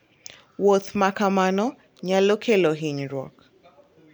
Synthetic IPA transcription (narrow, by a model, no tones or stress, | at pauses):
wot̪makamanɔ | ɲalokʰeloɦiɲɾɔ̰k